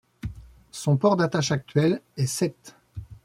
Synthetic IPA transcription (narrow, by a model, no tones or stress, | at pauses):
sɔ̃pɔʁd̪at̪aʃak̚t̪ɥɛlɛsɛt̪